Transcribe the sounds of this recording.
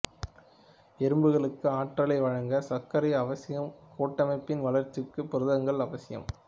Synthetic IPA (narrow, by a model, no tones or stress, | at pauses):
ɛɾɯmbɯɣɐɭɯkːɯaːʈrɐɭɐɪʋɐɻɐŋɡɐsɐkːɐɾɐɪɐʋɐsɪjɐmkʰoːʈːɐmɐɪpːɪnʋɐlɐɾt͡ʃːɯkːɯpʊɾɯðɐŋɡɐɭɐʋɐsɪjɐ̰m